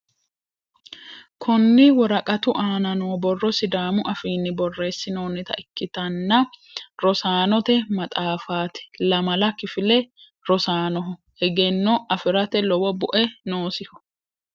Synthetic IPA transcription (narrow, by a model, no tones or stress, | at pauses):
kʰʊnːɪwɔɾɐkʼɐt̪ʊʔaːnɐnoːbɔrːɔsɪd̪aːmʊʔɐfiːnːɪbɔrːe̞ːsːɪno̞ːnːɪt̪ɐ̰ʔɪkːɪt̪ɐnːɐ | ɾɔsaːnɔt̪ɛmɐt̪ʼaːfaːt̪ɛ̥lɐmɐlɐkɪfɪlɛ | ɾɔsaːnɔɦɔ | hɛɡɛnːɔʔɐfɪɾɐt̪ɛlɔwɔbʊʔɛnoːsɪhɔ̥